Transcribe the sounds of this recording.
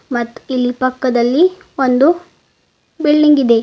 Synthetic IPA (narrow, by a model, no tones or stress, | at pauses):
mɐt̪ːuilːipɐkːɐd̪ɐlːi | ond̪u | biɭːiŋɡid̪e̞